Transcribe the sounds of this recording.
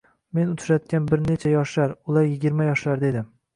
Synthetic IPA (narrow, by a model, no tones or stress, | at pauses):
me̞nʊt̪ʰɾat̪̚kʲanbɪɾne̞t͡ʃʰajɒʃlaɾʊlaɾjɪɡʲɪɾmajɒʃlaɾd̪e̞d̪ɪm